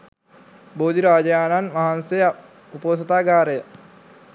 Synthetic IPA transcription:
boːd̪iɾaːd͡ʒəjaːnanʋaɦansej | upoːs̬ɐt̪aːɡaːɾəjə

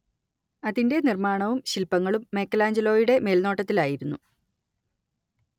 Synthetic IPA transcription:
ɐðinde̞nirmaːɳɐʋumɕilpːɐŋːɐɭumːe̞ːkːɐlaːɲd͡ʑɐlo̞ːjuɽe̞me̞ːlno̞ːʈːɐt̪ːilaːjiɾunːu

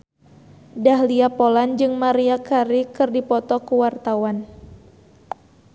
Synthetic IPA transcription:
dahliapoland͡ʒɨŋmaɾiakaɾikɨrdipɔt̪ɔkuwart̪awan

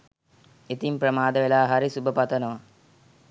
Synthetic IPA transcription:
et̪impɾəmaːd̪əʋelaːɦaɾisubəpat̪ənəʋa

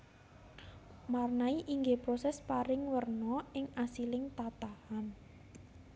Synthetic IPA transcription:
marnaiʔiŋɡepɾɔsɛspaɾɪŋwərnɔɪŋasilɪŋt̪at̪ahan

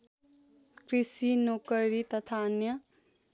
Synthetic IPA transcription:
krisinokʌɾit̪ʌt̪ʰaʌnjʌ

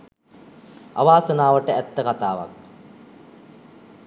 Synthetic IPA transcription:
a̰ʋaːsənaːʋəʈəæt̪ːəkat̪aːʋa̰k̚

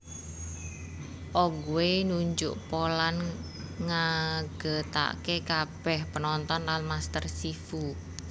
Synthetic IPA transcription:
ʔɔɡuwenuɲd͡ʒʊ̰ʔpolan | ŋaɡ̥ə̤t̪a̰ʔkekab̥ɛhpənɔnt̪ɔnlanmast̪ərsifu

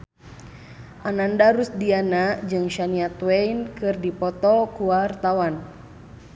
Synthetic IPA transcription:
ʔanandaɾusdianad͡ʒɨŋʃaniat̪wɛinkɨrdipɔt̪ɔkuwart̪awan

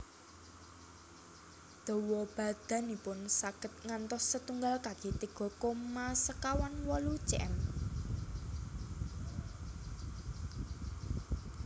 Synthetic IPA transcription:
d̪̥ɔ̤wɔb̥a̤d̪̥ä̤nipʊnsaɡ̥ət̪̚ŋant̪ɔsːət̪uŋɡalkaɡ̥et̪eɡ̥ɔ̤komasəkawanwɔlu̥t͡ʃɛ̰m

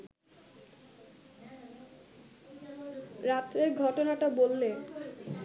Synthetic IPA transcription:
ɾat̪ːɾeɾɡʱɔʈonaʈabolːe

